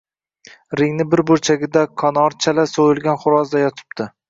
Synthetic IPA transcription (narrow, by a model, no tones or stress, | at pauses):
ɾɪŋnɪbɪɾbʊɾt͡ʃʰaɡʲɪd̪akʰɒnɒɾt͡ʃʰalasojɪlɡʲanχʊɾɒzd̪ajɒt̪ʰɪ̥pt̪ʰɪ